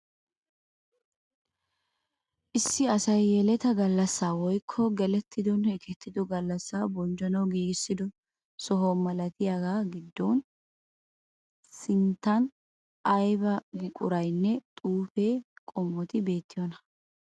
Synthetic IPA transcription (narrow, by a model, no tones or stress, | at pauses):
ʔɪsːɪɐsɐjːɛlɛt̪ɐɡɐlːɐsːaːwɔjkʰːɔɡɛlɛt̪ʰːɪd̪ɔnɛkʰɛt̪ːɪd̪ɔɡɐlːɐsːaːbɔnd͡ʒɐnɐwɡiːɡɪsːɪd̪ɔ | sɔɦomɐlɐt̪ɪjaɡaːɡɪd̪ːɔn | sɪnt̪ːɐn | ʔɐjbɐɡɪkʼʊɾɐjnːɛt̪ʼuːfeːkʼɔmːɔt̪ɪbe̞ːt̪ːɪjɔnɐ